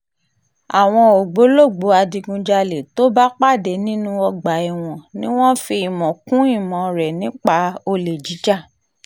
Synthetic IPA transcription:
a˨w̃ɔ̃˧o˨ɡ͡bo˨˦lo˦˨ɡ͡bo˨˦a˧di˧ɡũ˧d͡ʒa˧le˨to˦ba˦k͡pa˦˨de˨˦nĩ˦nũ˦ɔ˧ɡ͡ba˨i˨w̃ɔ̃˨nĩ˦w̃ɔ̃˦fi˧i˨mɔ̃˨kũ˦i˦˨mɔ̃˨ɾɛ˨nĩ˨˦k͡pa˧o˧le˨d͡ʒi˨˦d͡ʒa˦˨

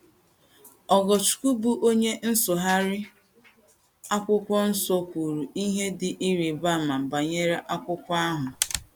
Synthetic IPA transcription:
ɔ˨ɡɔ˨t͡ʃu̥˨ku˦bu˦ʔo˦ɲe˦n̩˦sʊ˨ɦa˦ɾɪ˦ | a˦kʷʊ˦kʷɔ˦n̩˦so˦kʷu˨ɾu˨i˦ɦe˦dɪ˨ʔi˦ɾi˨ba˦˨ma˨ba˨ɲe˦ɾe˦ʔa˦kʷʊ˦kʷa˦ɦʊ˨

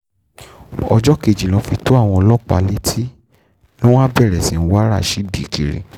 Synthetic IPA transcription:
ɔ˧d͡ʒɔ˦ke˦˨d͡ʒi˨lɔ̃˨˦fi˧to˦a˦˨w̃ɔ̃˧lɔ˦k͡pa̰˧le˦tʰi˦ | lɔ̃˦w̃ã˦bɛ˦˨ɾɛ˨sĩ˨˦n̩˦wa˦ɾa̰˦˨ʃi˨˦di˨kḭ˨ɾḛ˨

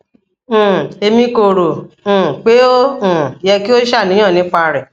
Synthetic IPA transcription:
e˧mĩ˧ko˨ɾõ˨k͡pe˨˦õ˦˨jɛ˧ki˦o˦ʃa˦˨nĩ˨˦jã˦˨nĩ˨˦k͡pa˧ɾɛ˨

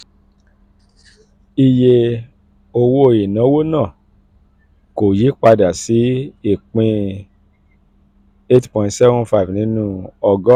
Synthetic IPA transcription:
i˧je˧ | o˧wo˧˦o˨je˨nã˨˦wo˦nã˦˨ | ko˨ji˨˦k͡pa˧da˨si˨˦i˦˨k͡pĩ˧ | e˦tpɔ̃˧˨˧tsɛ˦vɔ̃˦nfa˦i˨vnĩ˨˦nũ˦ɔ˧ɡɔ˦

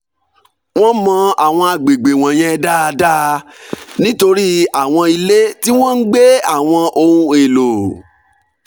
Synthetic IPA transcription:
w̃ɔ̃˦mɔ̃˧a˨w̃ɔ̃˧a˧ɡ͡be˨ɡ͡be˨w̃ɔ̃˨j̃ɛ̃˧da˦a˧da˦ | nĩ˦to˧ɾi˦a˦˨w̃ɔ̃˧i˧le˦ti˦w̃ɔ̃˦n̩˦ɡ͡be˦a˦˨w̃ɔ̃˧ʔo˧ũ˧e˨lo˨

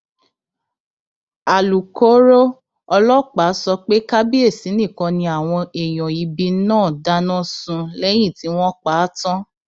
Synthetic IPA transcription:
a˨lu˨ko˦ɾo˦ | ɔ˧lɔ˦˨k͡pa˨˦sɔ˧k͡pe˦ka˦bi˦e˦˨si˨˦nĩ˦˨kɔ̃˧nĩ˧a˨w̃ɔ̃˧e˨j̃ɔ̃˨i˨˧bi˧˦nãː˦˨da˦nɔ̃˦sũ˧lɛ˦j̃ĩ˦˨ti˨˦w̃ɔ̃˦k͡paː˨˦tɔ̃˦

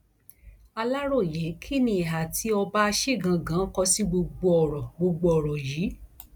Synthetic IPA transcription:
a˧la˦ɾo˦˨je˨˦kʰi˦˨nĩ˧i˨ɦa˨tʰi˨˦ɔ˧ba˦a˧ʃe˦˨ɡã˨˧ɡã˨˦kɔ˧si˦ɡ͡bo˧ɡ͡bo˧ɔ˨ɾɔ˨ɡ͡bo˧ɡ͡bo˧ɔ˨ɾɔ˨jiː˨˦

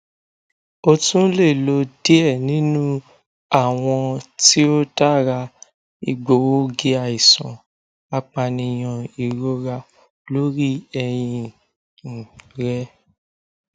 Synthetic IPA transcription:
o˦˧tũ˦le˦˨lo˧de˦ɛ˦˨nĩ˦nũ˦ | a˦˨w̃ɔ̃˧ti˦o˦ta˦ɾa˧ | i˨ɡ͡bo˨wo˦ɡe˦a˧i˨sɔ̃˨ | a˧k͡pa˧nĩ˧j̃ɔ̃˨i˨ɾo˦ɾa˧ | lo˦ɾi˦ɛ˧j̃ĩ˧ | n̩˨ɾɛ˦

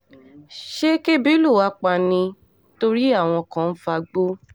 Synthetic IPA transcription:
ʃe˦ke˦bi˦lu˦˨wa˧˦k͡pa˧nĩ˧ | to˧ɾi˦a˦˨w̃ɔ̃˧kã˧n̩˦fa˧ɡ͡bo˦

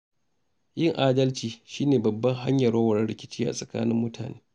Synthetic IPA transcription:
jɪ˦˨ŋʔaː˦dɐ˦lt͡ʃiː˨ʃiː˦neː˨bɐ˨bːɐ˦ŋɦa˦ɲjɐ˨ɽɐ˦wɐ˨ɽɐ˦ɽɪ˨kʲɪ˦t͡ʃiː˦ʔa̰˨sʼɐ˨ka̰ː˦nɪ˦mːʊ˦tʰa̰ː˨neː˦

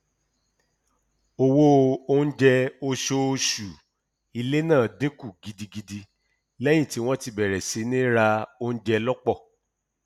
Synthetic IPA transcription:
o˧˨wo˦˧o˧n̩˦d͡ʒɛ˧o˧ʃo˧ʃu˨ | i˨˧le˦nãː˦˨de˦ku˦˨ɡi˧di˧ɡi˧di˧ | lɛ˦j̃ĩ˦˨ti˨˦w̃ɔ̃˦ti˧bɛ˨ɾɛ˨se˨˦nĩ˦ɾa˧o˧n̩˦d͡ʒɛ˧lɔ˦k͡pɔ˦˨

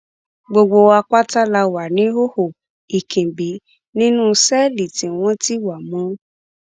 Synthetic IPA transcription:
ɡ͡bo˧ɡ͡bo˧a˧k͡pa˦ta˦la˧wa˨nĩ˨˦o˦ho˨ | i˨kʰĩ˨bi˨˦ | nĩ˦nũ˦sɛ˦li˨tĩ˨w̃ɔ̃˦ti˦wa˨mũ˨˦

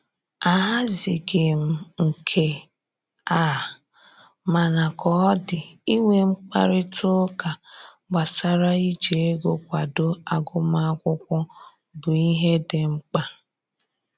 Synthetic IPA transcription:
a˨ɦa˦zɪ˨ɡɪ˨m̩˨ŋ̩˨kʰe˨ | a˨ | ma˨na˨kɔ˨˦dɪ˨i˦ŋʷe˨ŋ͡m̩˦k͡pa̰˦ɾɪ˦tʰʊ˦ka˨ | ɡ͡ba˨sa˦ɾa˦i˦d͡ʒe˨e˦ɡo˨kʷa˨do˦a˨ɡʊ˦ma˦a˦kʷʊ˦kʷʊ˦ | bʊ˨i˦ɦe˦dɪ˨ŋ͡m̩˦k͡pa˦

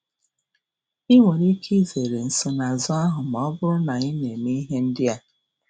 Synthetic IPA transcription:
i˦ŋe˨ɾi˦kʰi˦ze˨ɾe˨n̩˨sʊ˨na˨zɔ˦a˦ɦʊ˨m˨ɔ˦bʊ˦ɾʊ˦na˨i˦ne˨mi˦ɦe˦n̩˦dɪ˦a˨

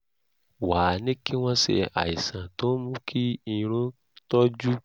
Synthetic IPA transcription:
wa˨nĩ˦ki˦w̃ɔ̃˧sɛ̰˧˨a̰˨i˨sã˨to˨˦mũ˦kʰi˦i˧ɾ̃ũ˦ | tɔ˦d͡ʒu˦

